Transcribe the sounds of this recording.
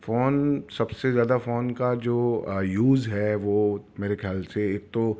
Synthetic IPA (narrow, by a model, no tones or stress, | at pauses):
foːnsɐbsezjaːd̪afoːnkad͡ʒoːjuːzɦɛʋomeːɾexʰjaːlseeːk̚t̪o